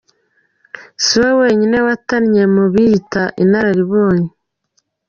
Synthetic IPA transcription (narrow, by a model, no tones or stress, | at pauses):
siwewe̞ːɲine̞wataɾɲe̞muβitaʔinaɾaɾiβoːɲe